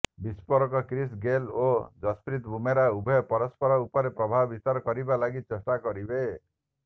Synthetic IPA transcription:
bispɔɾɔkɔkɾisɡelod͡ʒɔspɾit̪bʱumeɾaubʱɔjɔpɔɾɔspɔɾɔupɔɾepɾɔbʱabɔbist̪aɾɔkɔɾibalaɡit̪̚t͡ʃesʈakɔɾibe

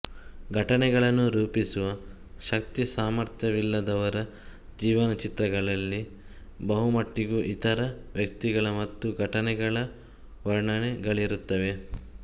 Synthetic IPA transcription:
ɡʱɐʈɐnɛɡɐɭɐnːuɾuːpisuʋɐ | ʃɐk̚t̪isaːmɐɾt̪ʰjɐʋilːɐd̪ɐʋɐɾɐ | d͡ʒiːʋɐnɐt͡ʃit̪ɾɐɡɐɭɐlːi | bɐɦumɐʈːiɡuʔit̪ɐɾɐʋjɐk̚t̪iɡɐɭɐmɐt̪ːuɡʱɐʈɐnɛɡɐɭɐ | ʋɐɾɳɐɳɛɡɐɭiɾut̪ːɐʋe̞

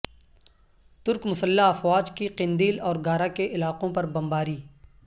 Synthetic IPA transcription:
t̪ʊɾkmʊsəlːaɐfwaːd͡ʒkiqɪ̃nd̪iːlɔːɾɡaːɾakeʔɪlaːqõpɐɾbɐ̃mbaːɾiː

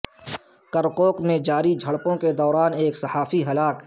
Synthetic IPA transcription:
kɐɾqoːkmẽd͡ʒaːɾid͡ʒʱɐɽpõked̪ɔːɾaːneːksɐhaːfiɦɐlaːk

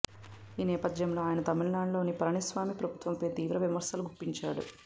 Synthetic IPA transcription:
iːnɛːpɐd̪jɐmlo̞ːaːjɐnɐt̪ɐmilnaːɳɖlo̞ːnipɐɾɐɳisʋaːmipɾɐbʱut̪ʋɐmpeːt̪iːʋɾɐʋimɐɾsɐluɡupːiɲt͡ʃaːɽṵ

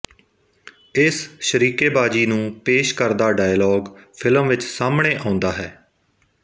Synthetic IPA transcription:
ɪsʃəɾiːkeːbaːd͡ʒiːnũːpeːʃkəɾd̪aːɖaːjlɔːɡpʰɪləmʋɪt͡ʃsaːmɳẽːʔaːʊ̃nd̪aːɦɛː

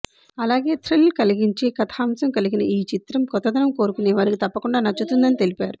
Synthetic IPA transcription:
ɐlaːɡe̞ːt̪ʰɾilkɐliɡiɲt͡ʃikɐt̪ʰaːmsɐmkɐliɡinɐʔiːt͡ʃit̪ɾɐmkɔt̪ːɐd̪ɐnɐmko̞ːɾukunɛːʋaːɾikit̪ɐpːɐkuɳɖaːnɐt͡ʃːut̪und̪ɐnit̪e̞lipaːɾu

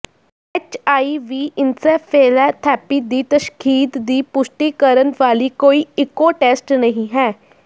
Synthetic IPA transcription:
eːt͡ʃaːiːʋiːʔɪnsɛːpʰeːlɛːt̪ʰɛːpiːd̪iːt̪əʃkʰiːt̪d̪iːpʊʃʈiːkəɾənʋaːliːkoːiːɪkːoːʈeːsʈnəɦĩːɦɛː

